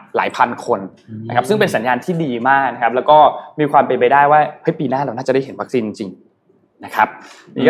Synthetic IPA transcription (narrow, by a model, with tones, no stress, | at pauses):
la̰ː˩˦jpʰa˧nkʰo˧n | na˦kʰa˦˥p̚sɯ˥˩ŋpe˧nsa˩˦njaː˧nt̪ʰiː˥˩diː˧maː˥˩k̚na˦˥kʰa˦˥p̚lɛː˦˥wkɔː˥˩miː˧kʰwaː˧mpa˧pa˧jdaː˥˩jwaː˥˩ha˦˥jpiː˨˧naː˥˩laː˧wnaː˥˩t͡ɕa˨˩da˥˩jɦe˩˦nwa˦˥k̚siː˧nt͡ɕi˧ŋt͡ɕi˧ŋ | na˦˥kʰa˦˥p̚ | ni˥˩